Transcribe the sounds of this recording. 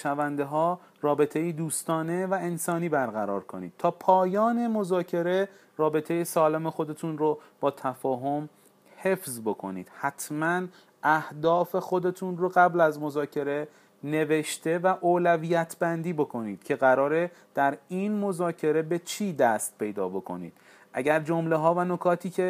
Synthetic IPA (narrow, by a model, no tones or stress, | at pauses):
ʃævænd̪eɦɒː | rɒːbe̞t̪ʰejid̪uːst̪ɒːne̞væensɒːniːbæɾɣæɾɒːɾkʰo̰nḭːd̪̥̚t̪ʰɒːpʰɒːjɒːne̞mo̞zɒːcʰe̞ɾe̞ | rɒːbe̞t̪ʰe̞jesɒːleme̞xo̞d̪e̞t̪ʰunrob̥ɒːt̪ʰæfɒːɦo̞m | he̞fzbo̞kʰo̞̰nḭːd̪̥hæt̪ʰmæn | ʔæhd̪ɒːfe̞xo̞d̪e̞t̪ʰunroɣæblæzmo̞zɒːcʰe̞ɾe̞ | ne̞ve̞ʃt̪e̞væʔoːlæviːjæt̪ʰbænd̪iːbo̞kʰo̞niːd̪̥cʰe̞ɣæɾɒːɾe̞d̪̥æɾinmo̞zɒːcʰe̞ɾe̞be̞t͡ʃʰiːd̪æst̪̚pʰe̞jd̪ɒ̰ːbo̞kʰo̞̰nḭːd̪̥ | ʔæɟæɾd͡ʒo̞mle̞ɦɒːvæno̞kʰɒːt̪ʰiːcʰe̞